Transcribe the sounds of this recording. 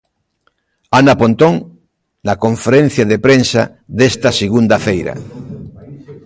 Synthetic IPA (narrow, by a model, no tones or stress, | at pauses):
anapont̪oŋ | nakõɱfeɾẽn̟θjaðepɾensa̰ | ðest̪ɐseɣund̪afejɾa̰